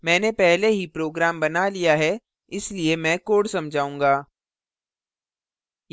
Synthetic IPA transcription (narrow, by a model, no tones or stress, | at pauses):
mɛ̃ːnepɛɦleɦipɾoːɡɾaːmbɐnalijaɦɛ | ɪsliemɛ̃ːkoːɽsɐmd͡ʒʱaːũːŋɡaː